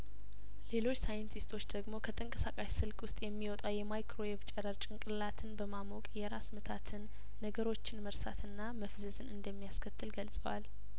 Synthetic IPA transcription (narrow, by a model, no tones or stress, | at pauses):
le̞lo̞t͡ʃːsajɨnt̪ʰist̪ʰo̞t͡ʃːd̪əɡmo̞kʰət̪ʰəŋkʼəsakʼaʃsɨlkʰwʊst̪ʼjɛmːiwɔt̪ʼawjɛmajkʰɾo̞eft͡ʃʼɛɾəɾt͡ʃʼɪŋkʼɨlːat̪ʰɨnbəmamokʼjɛɾasmət̪ʰat̪ʰɨnː | əɡəɾo̞t͡ʃːɪnməɾsat̪ʰɨnːaməfzəzɨnɨnd̪əmːijaskʰət̪ʰːɨlɡəlsʼəwa̰l